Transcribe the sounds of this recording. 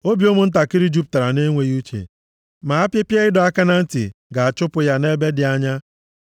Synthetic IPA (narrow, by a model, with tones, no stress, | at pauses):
o˦bi˨o˦mʊ˦n̩˦t̬a˨kɪ˦ɾi˦d͡ʒu˦p̚ta˨ɾa˨ne˦ŋʷe˨ju˦t͡ʃḛ˨ | ma˨a˦pje˦pje˦ɪ˦dɔ˨a˦ka˦na˦n̩˦tḭ˨ɡa˨a˨t͡ʃʊ˦pʊ˨ja˦ne˦be˦dɪ˨a˦ɲa˦